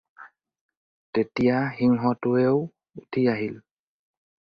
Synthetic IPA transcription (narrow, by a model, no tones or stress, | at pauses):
tetijahiŋɦɔtuew | utʰijaɦil